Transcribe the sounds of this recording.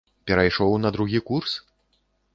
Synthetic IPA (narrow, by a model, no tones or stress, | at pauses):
pʲɛɾɐjʂɔwnɐd̪ɾuɣʲikurs